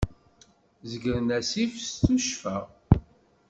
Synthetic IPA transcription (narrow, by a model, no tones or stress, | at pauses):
zəɡɾənæsifst̪uʃfæ